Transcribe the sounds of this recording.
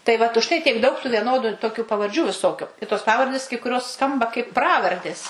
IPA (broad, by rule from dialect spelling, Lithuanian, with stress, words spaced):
tɐɪ ˈʋɐt ʊʃ ˈtɐɪ tʲiɛk dɐʊk tuː ʋʲiɛˈnoːdʊ toːˈkʲuː pɐʋɐrʲˈd͡ʒʲuː ʋʲɪˈsoːkʲʊ ɪ toːs ˈpɑːʋɐrʲdʲeːs kɐɪ kʊˈrʲoːs ˈskɐmbɐ kɐɪp ˈprɑːʋɐrʲdʲeːs